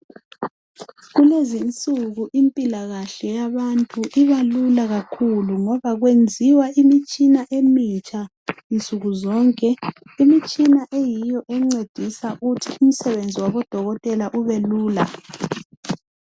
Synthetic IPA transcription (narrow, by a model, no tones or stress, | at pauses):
ɣulezint͡sʼuɣuʔimpʼilaɣaɬɛjaβantʼuʔiβalulaɣakʰuluŋɔβaɣwend͡zʱiwaʔimit͡ʃʼinaʔemit͡ʃʼa | int͡sʼuɣuzɔŋkʼɛ | imit͡ʃʼinaʔejijɔʔɛŋ͡ǀed̥ʱisaɣutʰium̩sɛβend͡zʱiwaβɔd̥ʱɔɣɔtʼɛlaʔuβeluːla